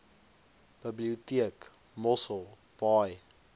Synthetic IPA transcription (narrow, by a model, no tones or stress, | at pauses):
b̥əbliutiək | mɔsəlˠ | pɑj